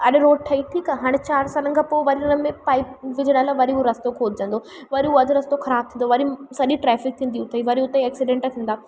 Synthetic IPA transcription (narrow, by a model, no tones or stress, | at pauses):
ɐɗɾoːɖ̚ʈʰɐiʈʰiːkaɦaːɽ̃t͡ɕaːɾsaːlən̆kʰãːpoːʋɐɾiʊnəmẽpaːip̚ʋɪd͡ʑʱəɽaːlaːʋɐɾiɦuɾɐst̪okʰoːd̪ʱd͡ʑɐ̃nd̪oː | ʋɐɾiɦuɐd̪ʱʊɾɐst̪oxɐɾaːb̚t̪ʰĩnd̪oʋɐɾisɐɗiʈɾɛːfɪk̚t̪ʰĩːnd̪iʊt̪ʰɐiʋɐɾiʊt̪eeːksɪɖẽːɳʈt̪ʰĩːnd̪aː